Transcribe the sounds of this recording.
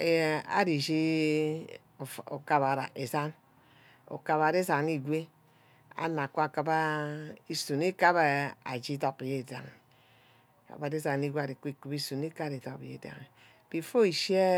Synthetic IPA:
e˨a̰˦ɾi˨ʃi˦˨ | o˨ka˨βa˨ɾa̰˨ʔe˨za˦n | o̰˨ka˨βa˨ɾe˦za˨ni˨ɡʷe˦ | a̰˨na˨ku˦a˨ka˨ba˦i˦su˨n˦e˦ka˦ba˨a̰˨d͡ʒi˦to˨pi˨je˨da̰˨ŋ˨ | ka̰˨ba˨de˦za˨ni˦ɡʷe˦a˨ɾi˨ki˦ku˨bi˦su˨n˦e˦ka˦ɾi˨to˨pi˨jḛ˨da̰˨ŋe˨ | b̥i˨fo˦i˨ʃi˦e˦

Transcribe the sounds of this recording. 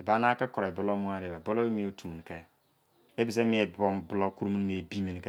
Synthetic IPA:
e˨ba˨˦na˦ke˦kɔ˨ɾa˨bo˦lo˦mu˦a˦˨ɾe˨ba˨bo˦lo˦e˦mi˦o˨˦tʰu˨mu˨n˨ke˦ | e˦bi˨s̬e˦mi˨e˨bo˨mbu˨lo˦ku˦ɾu˦mu˦n˦m˨e˨bi˦mi˨n˨ke˦

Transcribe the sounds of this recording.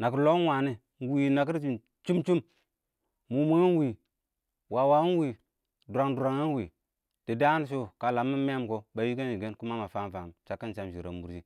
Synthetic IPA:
na˨ki˦lo˦n˦wa˨ni˦˨ | wi˨na˨k̬i˦ɾd͡ʒi˨ | t͡ʃu˦mt͡ʃu˦m | mu˨mu˦a˦n˦wi˨ | wa˨wa˦wi˨ | du˨ɾa˨ŋdu˨ɾa˨ŋa˦n˦wi˨ | d̥i˨da˦n˦ʃ̬o˦ka˨la˨mi˦me˦mko˨ba˨ji˦ka˦nd͡ʒi˨ɡe˦nku˦ma˦ma˨fa˦m˦fa˨mt͡ʃa˨kːi˦n˨t͡ʃa˨mʃi˨ɾa˨mu˨ɾd͡ʒi˦

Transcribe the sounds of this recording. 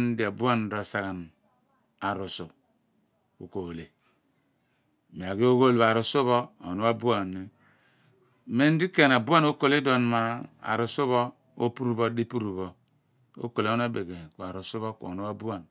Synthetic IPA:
n̩˦di˨a˨bu˦a˦n˨ɾo˨sa˨ɣa˨n | a˨ɾu˨su˨ | u˨ko˨le˨ | me˨a˨ɡi˦o˦ɣo˦lba˨ɾu˨su˦βɔ˦o˨no˦a˦bu˦a˨ne˨ | me˦n̩˦di˦ke˦˨na˨bu˦a˦no˦ko˦le˦do˨n˨ma˨a̰˨ɾu˨su˦βɔ˦ | o˦pu˦ɾu˨bo˦di˦pu˦ɾu˨βo˨ | o̰˦ko˨le˨˦o˦n˦a˦be˨ɡe˨ku˨a˨ɾu˨su˦βo˦kṵ˨o̰˨no˦a˦bu˦a˨n

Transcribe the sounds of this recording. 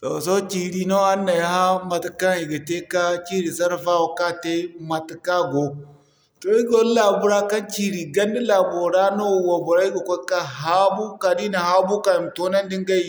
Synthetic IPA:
to˨so˦t͡ʃi˨ɾi˨no˦a˦nːa˨ja˦ha˦ma˨ti˦ka˦ŋi˨ɡa˨te˦ka˦t͡ʃi˦ɾi˨sa˦ɾfa˦wo˨ka˦te˦ma˨ti˨ka˦ɡo˨ | to˨i˦ɡo˨˦la˨bu˦ɾa˦ka˦nt͡ʃi˦ɾi˨ɡa˦ndi˦la˨bo˨ɾa˦no˦˨wa˨bo˨ɾa˦i˦ɡo˨kʷo˦ka˦ɦa˦bu˦ka˨di˦na˨ha˦bu˦ka˨i˨m˨to˦na˦n˦di˦ŋɡa˦i˦˨

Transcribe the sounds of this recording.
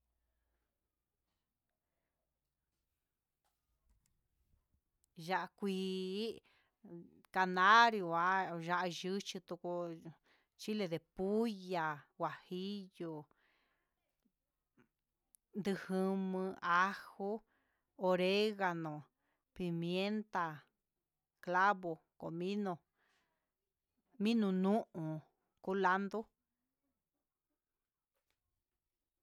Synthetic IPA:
ʒa˧ʔa˧kʷiː˧˦ | ka˧nã˦ɾju˧˨a˦ʒa˧ʔa˧ʒɨ˦t͡ʃi˧t̪u˧ko˧ | t͡ʃi˦le˧ðe˨pu˦ja˨wa˨hi˦jo˧ | nd̪ɨ˧hɨ˧mɨ̃˧ʔa˦hu˦ | o˧ɾe˦ɣa˧nõ˨ | pi˧mje˦nt̪a˧ | kla˦βo˧ | ko̰˨mĩ˦nõ˧ | mĩ˦nũ˧nũ˦ʔũ˨ | ku˦la˦nd̪o˦

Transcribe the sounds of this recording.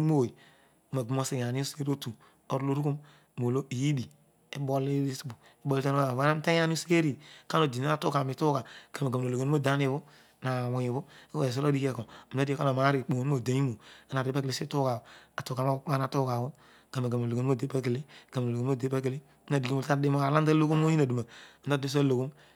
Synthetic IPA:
mo˦wo˨i˨˦ | ma˨ɡu˦mo˦si˨a˨ni˦o˦ske˦ɾo˦tu˨ | o˨ɾlo˦ɾu˦ku˦m | mo˨lo˦i˨ji˦di˨ | e˦bo˦li˦i˦si˦bu˨ | i˦bo˦li˦ta˦n˦˨a˦a˦n˦ta˦a˦ni˦o˦si˦ke˦ɾi˦˨ka˦no˨di˨na˦a˦˨tu˦ka˨mi˨tu˦ka˨ka˨me˨ɡa˨m˨o˨o˨ɡe˨n˦mo˦˨da˦ni˦˨βu˦ | na˨wu˨ji˨bu˦i˦we˨s̬o˦lo˦di˦ke˦˨ko˨a˦di˦e˦ka˦o˨ma˨˦ɾi˨k͡po˨n˦o˨da˨ɲi˦mo˨a˦na˨ɾi˦pa˦ke˨li˨˦si˦tu˦ka˨a˨tu˨ka˨ma˦˨˦a˦na˨tu˦ka˨bu˦ | ka˨ma˨ka˨m˨o˨lo˨ɡe˨n˦o˦˨de˦pa˦k̬e˨li˦˨ka˨m˨o˨lo˨˦o˦˨de˦pa˦ke˨li˦na˨di˨ki˦o˨lta˦i˦mo˦ka˨la˦n˦a˦lo˦ku˦m˦o˦i˦na˨du˨ma˨˦ta˦de˦s̬a˦lo˨ku˦m

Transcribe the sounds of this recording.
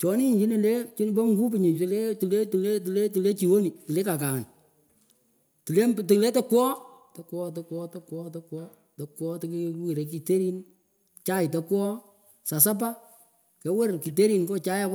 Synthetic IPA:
t͡ʃɔ˨˦nɪ˦ɲt͡ʃi˦ni˨le˦t͡ʃi˦n˦bɔ˦ŋɡu˦pɪ˨ɲɪ˨tɪ˨le˦tu˨le˦ti˨le˦ti˨le˦tu˨le˦t͡ʃi˨wo˦ni˨tu˨le˦ka˨ka˨n | tu˨le˦˨tɪ˨le˦to˦kwɔː˦tɐ˦kwɔ˦tɐ˦kwɔ˦tɐ˦kwɔː˦tɐ˦kwɔ˦ | tɐ˦kwɔ˦tɪ˦kwi˨ɾe˨k̬i˨te˦ɾi˦n | t͡ʃa˦ɪ˨tɐ˦kwɔ˦ | sa˨s̬a˦p̬a˦ | kɛ˨˦we˦rki˨t̬e˦ɾi˨ŋkɔ˦t͡ʃa˦ja˦k

